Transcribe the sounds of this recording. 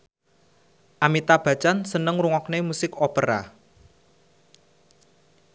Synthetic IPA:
ʔamit̪ab̥ä̤t͡ʃansənəŋruŋɔknemusɪkopəɾa̰

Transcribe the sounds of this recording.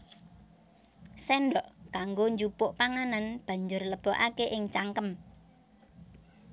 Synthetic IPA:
sɛnɖɔʔkaŋɡoɲd͡ʒupʊʔpaŋananb̥ä̤ɲd͡ʒʊrləb̥ɔ̤ʔakeʔɪŋt͡ʃaŋkəm

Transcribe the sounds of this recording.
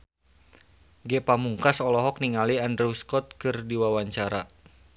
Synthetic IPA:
ɡɛpamuŋkasɔlɔɦɔk̚niŋaliandɾɛuskɔt̪̚kɨrdiwawaɲt͡ʃaɾa

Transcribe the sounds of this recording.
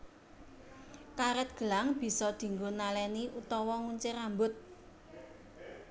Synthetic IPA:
kaɾɛt̪̚ɡ̥ə̤laŋb̥i̤sɔd̪̥i̤ŋɡunalɛniʔut̪ɔwɔŋuɲt͡ʃɪɾambʊt̪̚

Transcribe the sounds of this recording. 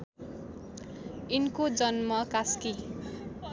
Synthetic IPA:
inkod͡zʌnmʌkaski

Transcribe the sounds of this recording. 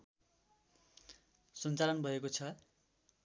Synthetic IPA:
sʌnt͡salʌnbʱʌekot͡sʰʌ

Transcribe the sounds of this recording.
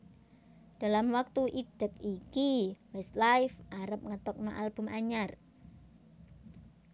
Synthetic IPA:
d̥a̤lamwak̚t̪uʔid̥əkikiwɛst̪lajfʔaɾəp̚ŋət̪ɔk̚noʔalb̥ṳmʔaɲar

